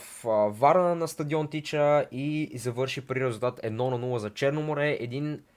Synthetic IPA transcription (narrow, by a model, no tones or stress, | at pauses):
fvaɾənənɐst̪ɐd̪iɔnt̪it͡ʃəizɐvɤɾʃipɾiɾɛzulˠt̪at̪ʰɛd̪nɔnɐnulˠəzɐt͡ʃɛɾnomoɾɛʔɛd̪in